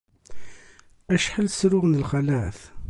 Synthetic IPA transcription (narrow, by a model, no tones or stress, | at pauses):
æʃħəlsɾʊʁnəlχæləʕθ